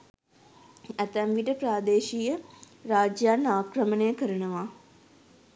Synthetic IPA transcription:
æt̪æmʋiʈəpɾaːd̪eːʃiːjə | ɾaːd͡ʒjaːnaːkɾəmənejəkəɾənəʋaː

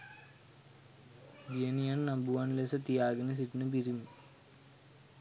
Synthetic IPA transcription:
d͡ʒenijannɐmbuʋanlesɐt̪ijaːɡɐnɐs̬iʈːinɨbiɾim

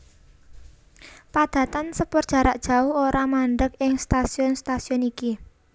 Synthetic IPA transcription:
pad̪̥ä̤t̪ansəpərd̥ʒ̥a̤ɾaʔd̥ʒ̥a̤ʊhoɾamaɳɖəkɪŋst̪asiɔnst̪asiɔniki

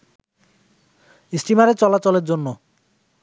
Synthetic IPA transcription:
isʈimaɾet͡ɕɔlat͡ɕoleɾd͡ʑonːo

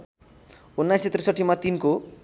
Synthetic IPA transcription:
unːajset̪risʌʈʰːimat̪inko

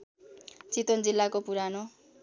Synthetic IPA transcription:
t͡sit̪ond͡zilːakopuɾano

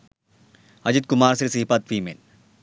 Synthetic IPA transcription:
ɐd͡ʒit̪̚kumaːɾsɾisiɦipɐt̪̚fiːmḛn

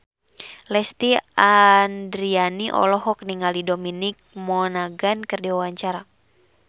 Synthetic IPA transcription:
lɛst̪iandɾianiʔɔ̰lɔɦɔk̚niŋalidominik̚mɔnaɡankɨrdiwawaɲt͡ʃaɾa

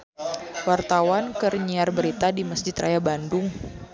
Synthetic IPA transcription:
wart̪awankərɲiarbəɾit̪adiməsd͡ʒɪt̪ra̰jabandʊŋ

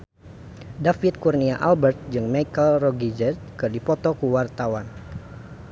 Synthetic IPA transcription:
dafit̪̚kurniaʔalbɛrt̪̚d͡ʒɨŋmajkəlrɔɡid͡ʒɛt̪̚kɨrdipɔt̪ɔkuwart̪awan

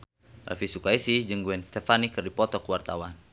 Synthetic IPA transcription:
ra̰fisukaisihd͡ʒəŋɡuɛnst̪ɛfanikərdipɔt̪ɔkwart̪awan

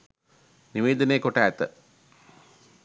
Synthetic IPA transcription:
niʋeːd̪ənejːkoʈaːt̪ə

